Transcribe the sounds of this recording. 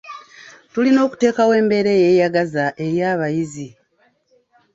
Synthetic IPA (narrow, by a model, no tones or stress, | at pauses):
tulino̞ːku̥te̞ːkawe̞ːmbe̞ɾe̞ːje̞ːjaɡazaʔe̞ɾjaːβajizi